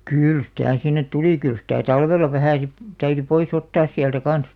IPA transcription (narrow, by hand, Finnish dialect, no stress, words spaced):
kyˑl sĭtæˑ sinːet tuliˑ kyl sĭtæˑ tɑlʋelːɑ ʋæhæˑ si tæyry pois otːɑːs siæltæ kɑn̞s